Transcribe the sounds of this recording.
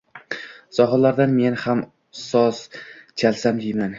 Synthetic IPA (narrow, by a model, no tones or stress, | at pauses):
zɒɦɨlaɾd̪anme̞nham | sɒst͡ʃʰalsamd̪ejman